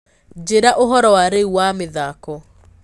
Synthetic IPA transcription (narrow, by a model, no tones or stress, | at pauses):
d͡ʒeɾaʔoɦɔɾɔwaɾeuwameðakɔ